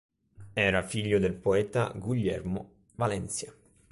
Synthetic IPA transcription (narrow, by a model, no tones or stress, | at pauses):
ɛːɾafiʎːod̪elpoɛːt̪a̰ɡuʎːɛrmo | valɛnt̪sja